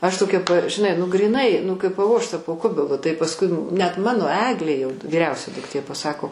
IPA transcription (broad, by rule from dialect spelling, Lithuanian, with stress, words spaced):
ɐʃ toːˈkʲɛ p ʒʲɪˈnɐɪ nʊ ɡrʲiːˈnɐɪ nʊ kɐɪp pɐˈʋoːʃtɐ poː ˈkʊbʲɪlˠʊ tɐɪ pɐsˈkʊɪ nʲɛt ˈmɑːnoː ˈæːɡlʲeː jɛʊ ʋʲiːˈrʲɛʊsʲɛ dʊkˈtʲeː pɐˈsɑːkoː